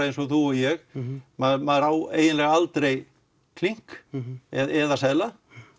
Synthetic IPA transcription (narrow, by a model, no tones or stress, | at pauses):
ɪnsɔθuɔjɛɣmaðmaðɾaːwḛːjɪnlɛɣalt̪ɾej | kʰliŋ̥kɛðɛðasɛla